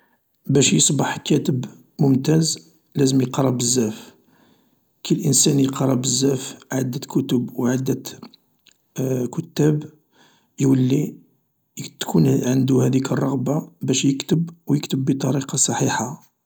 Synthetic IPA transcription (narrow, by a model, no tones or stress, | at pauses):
bæʃjəsˤbɑħkæt̪əb | mʊmt̪æz | læzəmjəqɾˤɑbəzːæf | kʰilʔənsænjqɑɾˤɑbəzːæfʕad̪ːət̪kʰʊt̪əbwʕad̪ːət̪ | kʊt̪ːæb | jwəlːi | t̪kʰunʕənd̪uhæd̪ikərˤːɑɣbabæʃjəkt̪əbwjəkt̪əbːit̪ˤɑɾiqɑsˤɑħiħa